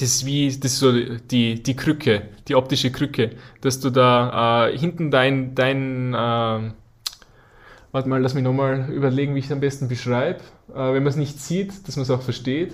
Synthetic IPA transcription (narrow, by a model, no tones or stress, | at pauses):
d̥ɛssviːd̥assoːd̥iːd̥iːkʰʁ̥ʏkʰəd̥iːʔɔp̚tɪʃəkʁʏkʰəd̥asd̥uːdaːʔɛːhɪntn̩daɪnd̥aɪnɛː | vaɐtmaːlasmɪɐnɔχmaːlʔy̰ːbɐleːɡŋ̩viːɪçsambɛstn̩bəʃʁ̥aɪbʔɛːvɛnmɐsnɪçtt͡siːtd̥asmɐns̬aʊxfɛɐʃteːt